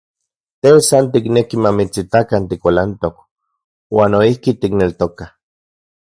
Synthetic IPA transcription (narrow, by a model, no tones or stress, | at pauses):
t̪esant̪iknekimamit͡sit̪akant̪ikʷalant̪ok | waːnoihkit̪iknelt̪oka